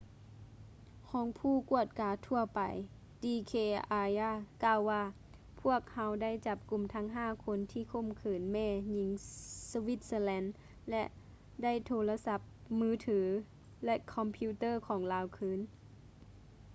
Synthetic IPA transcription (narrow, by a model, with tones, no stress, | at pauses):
kʰɔː˨˦ŋpʰuː˧˥˩ku˧˩ət̪̚kaː˨˦t̪ʰu˧˩ɐpa˨˩j | diː˧kʰeː˧ʔa˧jaː˧˥˩kaː˧˨wːaː˧˩ | pʰu˥˩ək̚ha˧˥wda˥˩˨jt͡ɕa˧˦p̚ku˨˩mt̪ʰa˧˥ŋɦaː˧˥˩kʰo˧˥nt̪ʰiː˧˩kʰo˧˥˨mkʰɯː˨˩nmɛː˧˩ɲi˧˦ŋsa˧wi˧˦t̪̚səː˧lɛ˧˥n | lɛ˧ʔ | da˥˩˨jt̪ʰoː˧la˧sa˧˥p̚mɯː˧˥˩t̪ʰɯː˩˦ | lɛ˧kʰɔ˧mpʰiː˧˥t̪ɤː˥˩kʰɔː˩˦ŋlaː˨˧˥wkʰɯː˧˥˨n